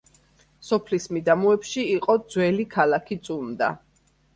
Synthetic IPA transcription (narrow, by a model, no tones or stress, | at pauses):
sɔpʰlismid̪amuɛpʃiːqʼɔd̪zwɛlikʰalakʰit̪sʼumd̪a̰